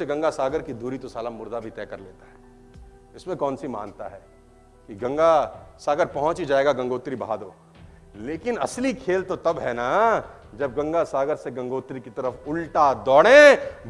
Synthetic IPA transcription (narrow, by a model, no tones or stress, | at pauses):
eɡɐ̃ŋɡasaːɡəɾkid̪ʱuːɾit̪osaːlamʊɾd̪ʱabʱit̪ɛːkɐɾlḛːt̪aɦɛː | ɪsmẽkɔːnsima̰ːnt̪aɦɛː | kiɡɐ̃ŋɡasaːɡəɾpɐɦʊ̃t͡ʃid͡ʒaːeːɡaɡɐ̃ŋɡoːt̪ɾibɐɦaːd̪oː | leːkɪnɐ̰slikʰeːlt̪ot̪ɐbɦɛna | d͡ʒɐb̚ɡɐ̃ŋɡasaːɡəɾseɡɐ̃ŋɡoːt̪ɾikit̪ɐɾəfʊlʈad̪ɔːɽẽ